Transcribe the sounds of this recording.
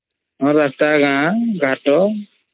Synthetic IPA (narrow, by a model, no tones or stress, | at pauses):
ɔɾataɡaɡʱaʈɔ